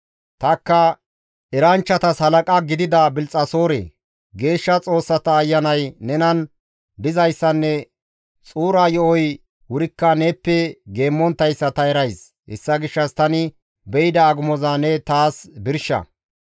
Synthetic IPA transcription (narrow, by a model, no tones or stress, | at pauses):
t̪ɐkːɐ | ɛɾɐnt͡ʃːɐt̪ɐshɐlɐkʼɐɡɪd̪ɪd̪ɐbɪlt͡sʼːɐso̞ːɾḛː | ɡe̞ːʃːɐt͡sʼo̞ːsːɐt̪ɐːjːɐnɐjnɛnɐn | d̪ɪzɐjsːɐnːɛ | t͡sʼuːɾajɔʔɔj | wʊɾɪkːɐnepːɛɡe̞ːmːɔnt̪ːɐjsːɐt̪ɐɛɾɐjs | hɛ̰sːɐɡɪʃːɐst̪ɐnɪ | bɛjɪd̪ɐːɡʊmɔzanɛt̪aːsbɪɾʃːɐ̰